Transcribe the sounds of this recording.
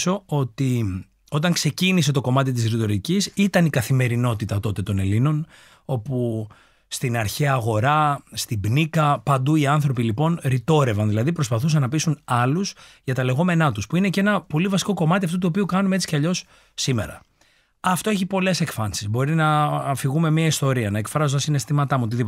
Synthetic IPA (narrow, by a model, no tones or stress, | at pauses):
so̞o̞t̪i | o̞t̪ɐŋkse̞cinis̬e̞t̪o̞ko̞mɐt̪it̪̬isɾit̪o̞ɾicisit̪ɐnikɐθime̞ɾino̞t̪it̪ɐt̪o̞t̪e̞t̪o̞nelino̞n | o̞pu | st̪inɐɾçeɐɣo̞ɾɐst̪ibnikɐpɐnd̪uiɐnθɾo̞pilipo̞nɾit̪o̞ɾe̞vɐnðilɐðipɾospɐθusɐnnɐpisunɐlusʝɐt̪ɐle̞ɣo̞me̞nɐt̪uspuine̞ce̞nɐpo̞livɐsi̥ko̞ko̞mɐt̪̬iɐft̪ut̪uo̞piukɐnumeet͡si̥cɐʎo̞sː | ime̞̰ɾɐ̰ | ɐft̪o̞eçipo̞le̞se̞kfɐnsizbo̞ɾinɐːfiɣume̞miɐist̪o̞ɾiɐnɐekfɾɐzot̪ɐsine̞st̪imɐt̪ɐmuot̪iðip